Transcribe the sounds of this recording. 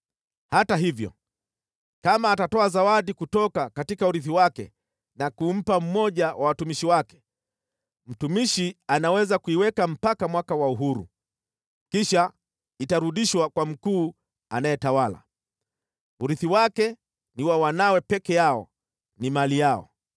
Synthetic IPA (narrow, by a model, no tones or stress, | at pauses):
hataɦivjɔ̰ | kamaːtatɔazawadikutɔkakatikauɾiθiwakɛ̰ | nakum̩pam̩mɔʄawʔawatumiʃiwakɛ̥ | m̩tumiʃianawɛzakuiwɛkam̩pakamwakawauɦuɾṵ | kiʃa | itaɾuɗiʃwakwam̩kuː | anajɛtawala̰ | uɾiθiwakɛ | niwawanawɛpɛkɛjaɔ̰ | nimalijaɔ̰